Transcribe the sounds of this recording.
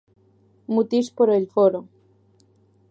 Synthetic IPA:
mut̪ispoɾelfoɾo

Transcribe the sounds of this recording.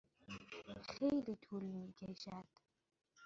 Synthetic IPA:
χejlitʰulmiɡeʒaːtʼ

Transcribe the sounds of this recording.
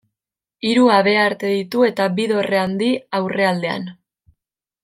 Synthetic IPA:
iɾuaβe̞aɾt̪e̞ðit̪ue̞t̪aβiðo̞re̞and̪iawre̞ald̪e̞a̰n

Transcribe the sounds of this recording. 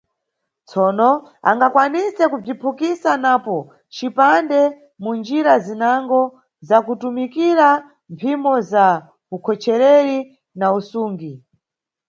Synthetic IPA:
t͡sʰɔnɔa̰ŋɡakwanisɛkub͡ʐipʰukisanapɔ | t͡ʃipandɛ | mund͡ʒiɾazinaŋɡɔ | zakutumikiɾa | mpʰimɔza | ukʰɔt͡ʃɛɾɛɾi | nausuːŋɡi

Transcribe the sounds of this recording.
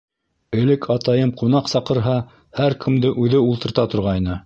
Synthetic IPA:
ɘ̆lɘkʰɑt̪ɑjɤmqunɑqsɑqɤ̆ɾɦɑ | hæɾkʰɘ̆md̪ɘʔʉðɘulˠt̪ɤ̆ɾt̪ɑt̪ŏɾʁɑjnɤ

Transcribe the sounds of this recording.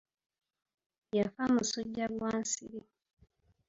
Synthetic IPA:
jafamusuɟːaɡwaːnsiɾi

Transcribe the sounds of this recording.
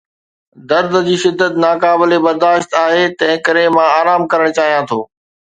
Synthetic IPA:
d̪ɐɾd̪ʱəd͡ʑiːʃɪd̪ːət̪naːkaːbɪlebɐɾd̪aːʃt̪aːɦet̪ɐ̃ɦɪ̃kɐɾẽmãaːɾaːmkɐɾəɽ̃t͡ɕaːɦijãt̪ʰoː

